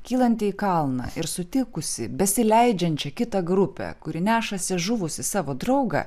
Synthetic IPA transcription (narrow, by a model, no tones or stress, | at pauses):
kʲiːlˠɐnʲt̪ʲɪikɐlˠnɑ̰ʔɪɾsʊt̪ʲɪkʊsʲɪbʲɛsʲɪlʲɛɪd͡ʒʲɛnʲt͡ʃʲɛkʲɪt̪ɐɡɾʊpʲɛ̰kʊɾʲɪnʲæːʃɐsʲɪʒʊʋʊsʲɪsɑːʋoːd̪ɾɒʊɡɐ̰